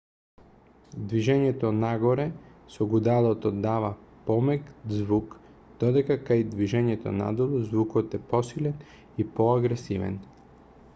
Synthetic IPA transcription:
d̪viʒɛɲɛt̪ɔnaɡɔɾɛsɔɡud̪alˠɔt̪ɔd̪avapɔmɛk̪zvuk | d̪̥ɔd̪ɛkakajd̪viʒɛɲɛt̪ɔ̰na̰d̪ɔlˠuzvukɔt̪ɛpɔsilɛn | ipɔaɡɾɛsivɛ̰n

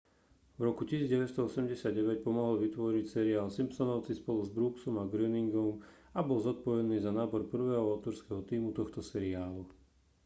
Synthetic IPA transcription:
vɾɔkucisiːd͡zɟɛʋɛst̪ɔɔsɛmɟɛsɪadɟɛʋɛc̚pɔmɔɦɔlʋit̪ʋɔɾicsɛɾiaːlsimpsɔnɔʊt͡sispɔluzbɾuksɔmaɡɾɛniŋɡɔm | abɔlzɔt̪̚pɔʋɛniːzanaːbɔɾpr̩ʋɛːɦɔaʊt̪ɔɾskɛɦɔt̪iːmut̪ɔxt̪ɔsɛɾiaːlu

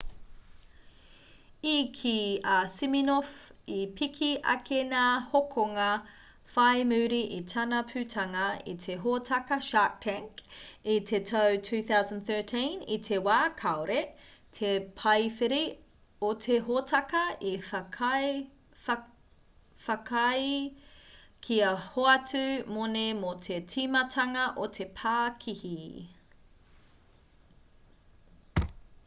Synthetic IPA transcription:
ikʰiasiminofipʰikʰiʔɐ̰kʰenahokʰoŋɐ | fɐjmʉːɾiʔitʰɐnɐpʰʉtʰɐŋɐḭtʰeɦotʰɐkɐʃak̚tʰɛ̃ŋkitʰetʰɐwtʰʉːθawzə̃nd̪θɜ˞tʰĩnḭtʰewaːkʰaoɾetʰepʰɐjfiɾi | otʰeɦotʰɐkɐi | fɐkʰɐj | kʰiɐhoɐtʉmonemotʰetʰimɐtʰɐŋɐʔotʰe̞pʰaːkʰihi

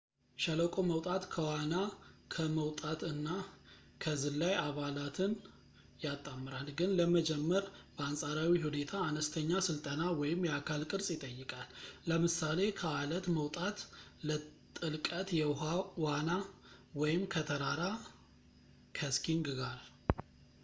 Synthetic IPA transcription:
ʃələkʼoməwt̪ʼat̪kʰəwanakʰəməwt̪ʼat̪ɨnːa | kʰəzɨlːajaβalat̪ʰɨn | jat̪ʼːamːɨɾalɡɨnləməd͡ʒɛmːəɾb̥əansʼaɾawiɦune̞t̪ʰaːnəst̪ʰəɲːasɨlt̪ʼənawɔjɪmjɛakʰalkʼɨɾsʼjɪt̪ʼəjːɨkʼalːəmɨsale̞kʰəalət̪məwt̪ʼat̪lət̪ʼɨlkʼət̪jɛɦawanawɔjɪmkʰət̪ʰəɾaɾa | kʰəskʰiŋɡɡaɾ

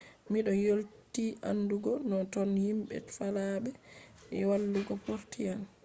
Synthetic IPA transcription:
miɗɔjoltiʔa̰nduɡɔnɔtɔnhimɓɛ̰tfalaɓɛɛ̰walːuɡɔpoɾtijan

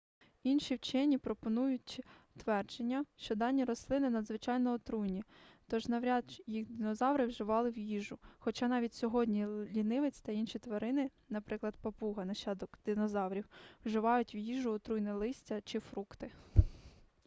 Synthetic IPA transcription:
inʃiwt͡ʃɛnʲipɾɔpɔnujʊtʲt̪ʋɛrd͡ʒenʲːɐʃt͡ʃɔd̪ɑnʲːiɾɔslˠɪnɪnɐd̪zʋɪt͡ʃɑjnɔːt̪ɾujnʲit̪ɔʒnɐwɾʲɑd̪jixd̪ɪnɔzɑwɾɪwʒɪʋɑlˠɪwjiʒʊxɔt͡ʃɑnɑʋʲit̚ʲsʲɔɦɔdʲnʲilʲinɪʋet͡sʲt̪ɐinʃit̪ʋɐɾɪnɪ | nɐpɾɪklˠɐd̪̚pɐpuɦɐnɐʃɑd̪ɔkd̪̥ɪnɔzɑwɾʲiwwʒɪʋɑjʊtʲwjiʒʊɔt̪ɾujnɛlˠɪsʲtʲɐt͡ʃɪfɾukt̪ɪ

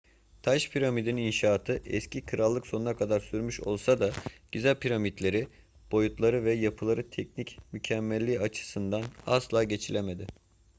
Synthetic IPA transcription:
t̪ʰaʃpʰiɾamid̪inininʃaːt̪ʰɯʔɛ̰scʰikʰɯɾalˠːɯkso̞nunakʰad̪aɾsyɾmyʃo̞̰lˠsad̪aɟ̥yzælʲpʰiɾamit̪lʲe̞ɾi | b̥o̞jut̪ʰlˠaɾɯvɛjapʰɯlˠaɾɯt̪ʰɛc̚nicmycʰɛmːɛlʲːiːat͡ʃʰɯ̥sɯnd̪ana̰slˠaːɟe̞t͡ʃʰilʲeme̞d̪ɪ

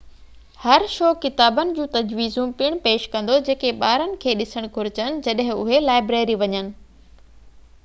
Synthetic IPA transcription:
hɐɾʃoːkɪt̪aːbənɪ̆d͡ʑũːt̪ɐd͡ʑʋiːzũpiɽ̃peːʃkɐ̃nd̪od͡ʑeːkeɓaːɾənɪ̆kʰeːɗɪsəɽ̃ɡʱʊɾɪt͡ɕənɪ̆d͡ʑɐɗɦɪ̃ʊɦelaːɪbɾeːɾiʋɐɲənɪ̆

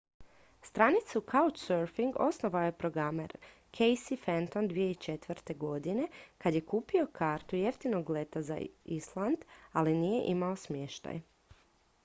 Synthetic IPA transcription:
st̪ɾanit̪sukʰaut͡ʃsøɾfiŋɡo̞sno̞ʋaoje̞pɾo̞ɡɾamḛɾ | kʰejsifent̪ond̪ʋijeit͡ʃet̪ʋɾt̪e̞ɡo̞d̪ine̞kad̪je̞kuːpio̞kʰaːɾt̪uje̞ft̪ino̞ɡle̞t̪aza̰islˠand̪alinije̞̰ʔimao̞smjeʃt̪a̰j

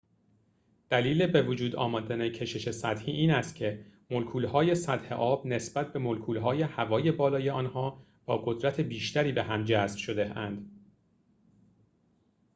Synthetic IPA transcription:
d̪̥æliːle̞bevod͡ʒuːd̪ɒ̰ːmɒːd̪ænecʰe̞ʃe̞ʃe̞sæt̪hiːʔiːnæst̪̚cʰe̞molkʰuːlhɒːje̞sæt̪he̞̰ʔɒːb̥ne̞sb̥æt̪̚ʰbe̞molkʰuːlɦɒːje̞hævɒːje̞bɒːlɒːjeɒːnɦɒː | b̥ɒːɡo̞d̪ɾæt̪ʰe̞biːʃt̪æɾiːbeɦæmd͡ʒæsb̥ʃo̞d̪eænd̪̥

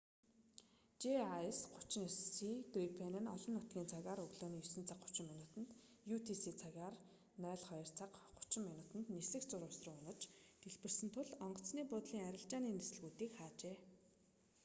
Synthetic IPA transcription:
t͡ɕeajsɢʊt͡ɕɪ̆nsit̪ripʰenɘ̆nɔɮɞ̆nːʊt̪ɡʲiːnt͡sʰaɣʲaːɾɵɣɮoːniːjʊsɵ̆nt͡sʰaqːʊ̥t͡ɕɪ̆mːinʊːt̪ə̆nt̪ | juːt̪ʰisiːt͡sʰaɣaːr | nœːɮχɔjɞ̆r̥t͡sʰaqɢʊ̥t͡ɕɪ̆mːinʊt̪ə̆nt̪nesɘ̆xt͡sʊɾʊːʊsrʊ̆ːʊnə̆t͡ɕt̪eɮpɘ̆rsɘ̆nt̪ʰʊɮɔɴɢɞ̆t͡sniːpʊːt̪ɮiːŋæɾʲɪ̆ɬt͡ɕaːniːnesɘ̆ɮɣuːt̪iːkχaːt͡ɕeː

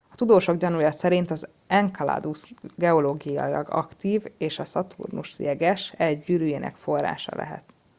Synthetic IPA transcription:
ɒt̪ud̪oːʃo̞ɡɟɒnujɒsɛɾint̪ɒz | ɛŋkɒla̰ːd̪usɡɛoloːɡija̰ilɒ̰ɡɒ̰kt̪iːveːʃɒsɒt̪ʰṵrnuʃsijɛɡɛʃɛɟɟyːɾyjeːnʔɛ̰kfo̞rːa̰ːʃɒ̰lʔɛ̰ɦɛ̰t̪

